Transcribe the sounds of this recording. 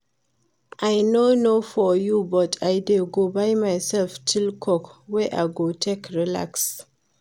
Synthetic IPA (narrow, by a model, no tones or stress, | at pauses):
ʔajnonofɔjubɔtʰajdelɡobajmajsɛlftʰilkʰɔkwɛʔajɡotʰekɹila̰ks